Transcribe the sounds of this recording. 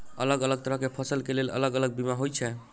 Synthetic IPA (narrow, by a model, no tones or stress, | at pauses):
ə̰ləɡələɡ̚t̪əɾəɦkepʰəsəlkelelə̰ləɡələɡ̚bimaɦojt͡ʃʰɛ